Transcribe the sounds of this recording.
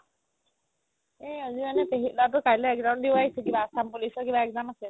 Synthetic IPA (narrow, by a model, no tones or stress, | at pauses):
eʌzimanepeɦitlatukajleɛk̚dandewajsekibaːsampulisɔkibaɛk̚zanase